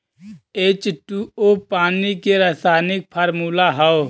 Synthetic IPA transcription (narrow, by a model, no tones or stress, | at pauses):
eːt͡ʃʈuopaːnikeɾasaːnɪk̚pʰəɾmuːlaɦəo